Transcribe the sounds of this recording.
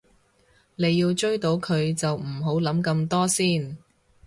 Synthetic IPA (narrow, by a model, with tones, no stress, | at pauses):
ne˨˧jːiː˧wt͡ʃɵ˥ɥt̪o˨˧˥wkʰɵ˨˧ɥt͡sɐ˨wm̩˨˩ɦo˨˥wlɐ˨˥mkɐ˧mt̪ɔː˥siː˥˩n